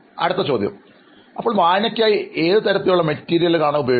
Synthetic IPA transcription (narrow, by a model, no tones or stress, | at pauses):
ɐ̰ɽɨt̪ːɐt͡ɕo̞ːd̪jɐ̰m | ɐpːoːɭmaːnɐkʲːaːjie̞ːðɨt̪ɐɾɐt̪ːiluɭːɐmɐtːiːɾijɐlkaːɳɐubɐjoː